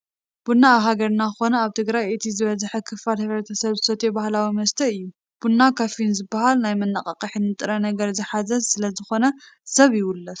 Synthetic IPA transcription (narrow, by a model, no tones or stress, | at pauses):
b̥unːaːβɦaɡɐɾnakɨxo̞nɐaβt̪ʰɨɡɾajet̪ʰizɨβɐzħɐkʰɨfːalhɨβɾɐt̪ʰɐsɐβzɨsɐt̪ʰebahlawimɐst̪ʰɐɨjːu | b̥unːakʰafinzɨbaɦalnajmɨnːaqʼɐqʼɨħinɨt̪ʼɨɾɐnɐɡɐɾzɨħazɐzsɨlɐzɨxo̞nɐ | sɐβjɪwʊlːɐt̪